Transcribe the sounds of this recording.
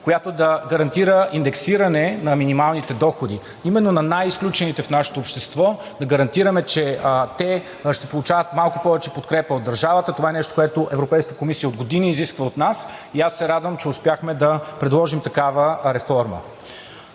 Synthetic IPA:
kojat̪od̪ɐɡɐɾɐnt̪iɾəʔind̪ɛksiɾənɛnɐminimalˠnit̪ɛd̪ɔxod̪i | imɛnːonɐnajisklʲut͡ʃɛnit̪ɛfnaʃɛ̥t̪oːpʃt̪ɛst̪vɔ | d̪ɐɡɐɾɐnt̪iɾəmɛt͡ʃɛt̪ɛ | ʃt̪ɛpolˠut͡ʃavət̪malˠkʊpɔvɛt͡ʃɛpot̪kɾɛpəod̪ːɐɾʒavət̪ət̪ovaɛnɛʃt̪o̥koɛt̪oʔɛvɾopɛjskət̪əkomisijəod̪ɡod̪iniːziskvəot̪nasiasːɛɾad̪vəmt͡ʃɛʊspjaxmɛd̪ɐpɾɛd̪lˠɔʒimt̪ɐkavəɾɛfɔɾmə̰

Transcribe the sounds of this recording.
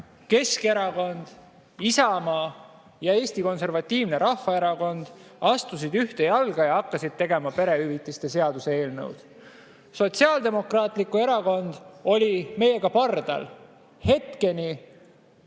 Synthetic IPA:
ke̞ske̞ɾɑko̞nd̪̥ | isɑmɑː | jɑe̞ːst̪iko̞nse̞rvɑt̪ˑːiːvne̞ɾɑhfɑe̞ɾɑko̞nd̪̥ɑst̪us̬id̪yht̪e̞jɑlɡ̥ɑjɑɑkːɑsid̪̥̚t̪e̞ɡ̥e̞mɑpe̞ɾe̞yvit̪ːˑist̪e̞se̞ɑd̪use̞e̞ːlnɤ̰wd̪̥ | so̞t̪siɑːld̪e̞mo̞krɑːt̪ˑlikue̞ɾɑko̞nd̪̥o̞lʲime̞je̞ɡ̥ɑpɑrd̪̥ɑ̰l | he̞t̪ke̞ni

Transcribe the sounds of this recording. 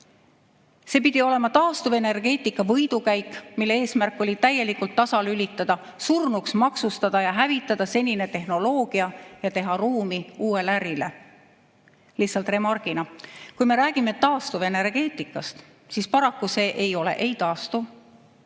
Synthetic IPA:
se̞ːpid̪̥io̞le̞mɑt̪ɑːst̪uve̞ne̞rɡ̥e̞ːt̪ˑikːɑvɤjd̪̥ukæjkːˑmilːe̞eːsmærkːˑo̞lʲit̪æjːe̞likult̪ːɑsɑlylʲit̪ːˑɑd̪̥ɑ | surnuksmɑksust̪ɑd̪̥ɑjɑɦævit̪ːˑɑd̪̥ɑse̞nʲine̞t̪e̞ɦno̞lo̞ːɡ̥iɑjɑt̪e̞ɦɑruːmiuːe̞læɾile̞̰ | lihsɑlt̪re̞mɑrɡ̥inɑkujme̞ɾæːɡ̥ime̞t̪ɑːst̪uve̞ne̞rɡ̥e̞ːt̪ˑikːˑɑst̪ | siːspɑɾɑkːuse̞ːʔe̞jo̞le̞̰ʔe̞jt̪ɑːst̪u

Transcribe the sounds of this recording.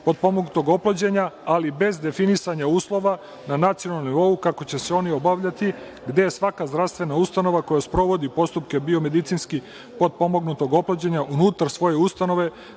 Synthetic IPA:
po̞d̪̚po̞moɡnut̪oɡo̞plˠod͡ʑe̞ɲaalibe̞zd̪e̞finisaɲauːslˠo̞ʋa | nanat̪sionaomniʋo̞ukako̞t͡ɕe̞seo̞nio̞baʋʎat̪i | ɡd̪e̞jesʋakazd̪ɾaʋst̪ʋe̞naust̪ano̞ʋako̞jaspɾo̞ʋo̞d̪ipo̞st̪upke̞bio̞me̞d̪it̪sinski | po̞d̪̚po̞moɡnut̪o̞ɡo̞plod͡ʑe̞ɲaʔunut̪aɾsʋo̞je̞ust̪ano̞ʋe̞

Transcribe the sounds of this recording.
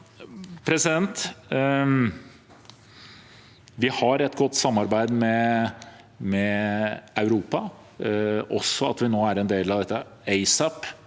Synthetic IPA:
pʰɾɛsɪd̪ɛnt̪ | ʋɪhɑɾɛt̪ːɡɔt̪ːsɑmːɑɾbæɪd̪mɛ | mɛ | ɑʉɾuːpɑ | ʔɔ̰sːɔɑ̰t̪ʋɪnoːæɾɛnd̪eːlɑʋd̪ɛt̪ːəeɪsɑp

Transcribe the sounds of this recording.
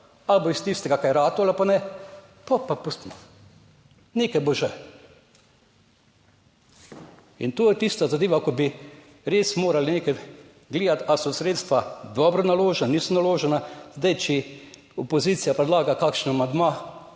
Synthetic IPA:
alboist̪ist̪ɛɡakajɾaːt̪ɔalipanɛ | pɔpːapust̪imɔ | neːkajboʒɛ | int̪oːjɛt̪ist̪azad̪eːʋakɔbi | ɾeːsmoːɾalineːka | ɡleːd̪at̪asɔsɾeːt̪st̪ʋad̪ɔːbɾɔnaloːʒɛnaniːsɔnaloːʒɛnazd̪ajt͡ʃi | ɔpɔziːt̪sijapɾɛd̪laːɡakakʃnamand̪maː

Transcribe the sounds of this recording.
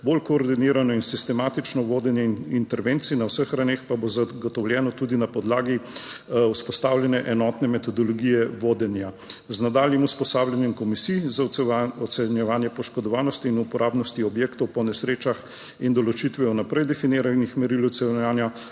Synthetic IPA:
bolkoːɾd̪iniːɾanɔinsist̪ɛmaːt̪it͡ʃnɔʋoːd̪ɛnjɛnint̪ɛɾʋeːnt̪sinawsəxɾawnexpabozaɡɔt̪ɔwlʲjɛːnɔt̪uːd̪inapɔd̪laːɡi | uspɔst̪aːwlʲjɛnɛʔɛnɔt̪nɛmɛt̪ɔd̪ɔlɔɡiːjɛʋoːd̪ɛnja | znad̪aːljimuspɔsaːwljanjɛmkɔmisijzaɔt̪sɛnjɛʋaːnjɛpɔʃkɔd̪ɔʋaːnɔst̪iːnupɔɾʔaːbnɔst̪iɔbjeːkt̪ɔwpɔnɛsɾeːt͡ʃax | ind̪ɔlɔt͡ʃit̪ʋɛwnapɾɛjd̪ɛfineːɾanixmɛɾilwt̪sɛnaːnja

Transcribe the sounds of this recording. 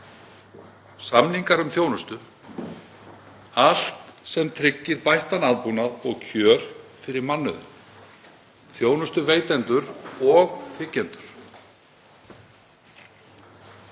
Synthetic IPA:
samniŋkaɾʏmθjownʏst̪ʏ | al̥t̪sɛmt̪ʰɾɪcːɪɾvajht̪anaðpunaðɔɣcʰœːɾ̥fɪɾɪɾmanːʏðʏ | θjoːwnʏst̪ʏveːjt̪ɛnt̪ʏɾɔɣfɪcːɛnt̪ʏɾ̥

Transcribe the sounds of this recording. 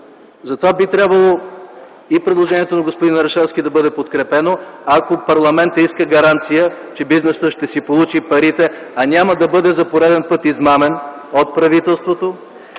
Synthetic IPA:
zɐt̪ovabit̪ɾʲabvəlˠo | ipɾɛd̪lˠoʒɛniɛt̪onɐɡospod̪inːɐɾɐʃɛsk̟ʲid̪ɐbɤd̪ɛpot̪kɾɛpɛnoakopɐɾlˠɐmɛnt̪əiskəɡɐɾant̪sijət͡ʃɛbiznɛsəʃt̪ɛsipolˠut͡ʃipɐɾit̪ɛ | ɐnʲaməd̪ɐbɤd̪ɛzɐpoɾɛd̪ɛnpɤt̪izmamɛn | ot̪̚pɾɐvit̪ɛlˠst̪vot̪o

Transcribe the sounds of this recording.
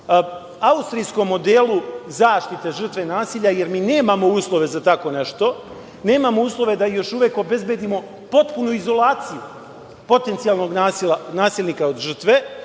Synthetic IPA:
aust̪ɾijsko̞mːo̞d̪eːlˠuzaːʃt̪it̪e̞ʐr̩t̪ʋe̞naːsiːʎaje̞ɾmiːne̞ːmamo̞uːslˠo̞ʋe̞zat̪ako̞neʃt̪o̞ | ne̞ːmamo̞uːslˠo̞ʋe̞d̪ajo̞ʃuʋeːko̞be̞zbje̞d̪imo̞ | po̞t̪punuizo̞laːt̪siju | po̞t̪e̞nt̪sijalˠno̞ɡnaːsilanaːsiːlʲˠnikaod̪ʒr̩t̪ʋe̞

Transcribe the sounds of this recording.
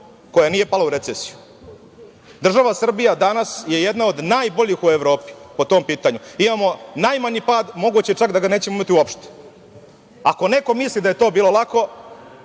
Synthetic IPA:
ko̞janije̞palauɾet̪esi̥ju | d̪r̩ʒaʋasr̩bijad̪anasje̞jed̪nao̞d̪najboʎixueʋɾo̞ːpi̥po̞t̪o̞ːmpiːt̪aɲuimamo̞najmaɲipaːd̪mo̞ɡuːt͡ɕet͡ʂakd̪aɡaneːt͡ɕemoimat̪iuopʃt̪e̥ | ako̞ne̞ko̞mislid̪ajet̪oːbiːlˠo̞lˠako̞

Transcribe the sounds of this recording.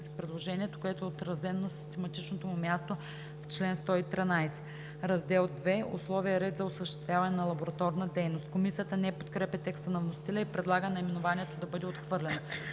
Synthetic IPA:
sipɾɛd̪lˠoʒɛniɛt̪o̥koɛt̪oɛot̪ɾɐzɛnonɐsi̥st̪ɛmɐt̪it͡ʃnot̪omʊmʲjast̪o | ft͡ʃlɛnst̪ɔit̪ɾinajsɛ̥ | ɾɐzd̪ɛlˠd̪vɛo̰slˠɔvijɐɾɛd̪zɐosəʃt̪ɛst̪vʲjavɐnɛnɐlˠɐboɾɐt̪ɔɾnəd̪ɛjnost̪komisijət̪ənɛpot̪kɾɛpɛt̪ɛkst̪ənɐvnost̪ilʲɛipɾɛd̪lˠaɡənɐimɛnovaniɛt̪od̪ɐbɤd̪ɛot̪xvɤɾlʲɛno

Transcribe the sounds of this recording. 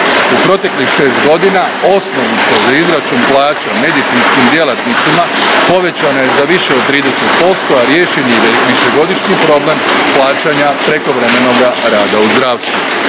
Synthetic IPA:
upɾo̞t̪e̞klixʃe̞ːst̪ɡo̞d̪inao̞snoʋnit̪sazaizɾat͡ʃuːnplˠaːt͡ɕame̞d̪it̪sinskimd̪je̞lat̪nit̪simapo̞ʋe̞t͡ɕanaje̞zaʋiʃeod̪̚t̪ːɾiːd̪e̞se̞t̪po̞st̪oaɾje̞ːʃinieʋiʃe̞ɡo̞d̪iʃɲipɾo̞blˠe̞mplˠaːt͡ʃaɲapɾe̞ko̞ʋɾe̞me̞no̞ɡaɾaːd̪auzd̪ɾaːʋst̪ʋu

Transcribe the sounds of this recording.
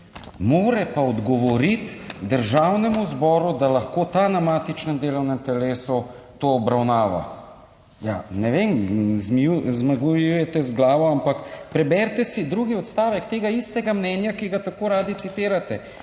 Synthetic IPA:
moːɾɛpaɔd̪ɡɔʋɔɾit̪d̪əɾʒawnɛmuzbɔːɾud̪alaxkot̪anamaːt̪it͡ʃnɛmd̪eːlɔwnɛmt̪ɛleːsɔ | t̪oːbɾawnaːʋa̰ | janɛʋemzmuzmaɡujujɛt̪ɛzɡlaːʋɔampakpɾɛbɛɾt̪ɛsid̪ɾuɡiɔt̪st̪aːʋɛkt̪eːɡaist̪ɛɡamnɛːnjakiɡat̪akoːɾaːd̪it̪sit̪eːɾat̪ɛ

